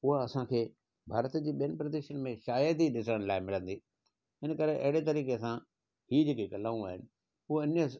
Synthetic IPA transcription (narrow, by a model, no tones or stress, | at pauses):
ʊɦaɐsãkʰeː | bʱaːɾət̪d͡ʑiːɓijənɪ̆pɾɐd̪eːʃənmẽʃaːjəd̪iɗɪsɽəɽ̃laːɪmɪlə̃nd̪iː | ɪnəkɐɾeʔɐ̰ɦɪɽet̪̬ɐɾiːkesã | hiːd͡ʑeːkikɐlaːũaːɦɪnɪ̆ | ʊɦoɪnə